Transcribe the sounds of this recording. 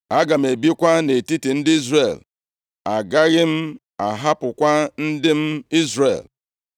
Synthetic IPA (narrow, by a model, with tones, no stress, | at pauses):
a˦ɡa˨m̩˨e˨bi˦kʷa˦ne˨ti˦ti˨n̩˦dɪ˦i˦zre˨l | a˨ɡa˦ɣɪ˦m̩˦ | a˨ɦa˦pʊ˨kʷa˦n̩˦dɪ˦m̩˦i˦zrḛ˨l